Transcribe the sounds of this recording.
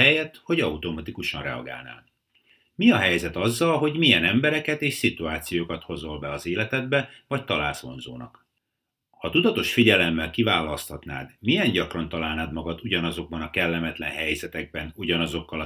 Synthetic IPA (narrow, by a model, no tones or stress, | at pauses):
ɛjɛt̪ho̞ɟɒut̪o̞mɒt̪ikuʃɒnrɛ̰ɒ̰ɡa̰ːlna̰ːn | miɒɦɛjzɛt̪ɒzːɒlɦo̞ɟmijɛnɛmbɛɾɛkɛt̪eːʃsit̪uaːt̪sijoːkɒt̪ho̞zo̞lbɛɒzeːlɛt̪ɛd̪̚bɛvɒct̪ɒla̰ːlso̞̰nzo̰ːnɒ̰k | hɒt̪ud̪ɒt̪o̞ʃfiɟɛlɛmːɛlkivaːlɒst̪ɒt̪na̰ːd̪mijɛnɟɒkrɒnt̪ɒlaːlnaːd̪mɒɡɒt̪uɟɒnɒzo̞ɡ̚bɒnɒkɛlːɛmɛt̪lɛ̰nɦɛjzɛt̪ɛɡ̚bɛnuɟɒnɒzo̞kːɒlɒ